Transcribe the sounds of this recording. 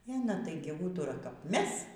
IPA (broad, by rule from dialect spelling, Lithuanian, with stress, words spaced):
ɛ ɐˈnɐ ˈtɐɪɡʲɪ ˈuːtʊrɐ kɐp ˈmʲɛs